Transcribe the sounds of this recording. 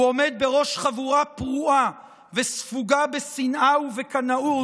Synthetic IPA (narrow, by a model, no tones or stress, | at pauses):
ome̞d̪̚be̞ʁo̞ʃχavuʁapʁuʔa | vesfuɡabesinʔawvekanaʔu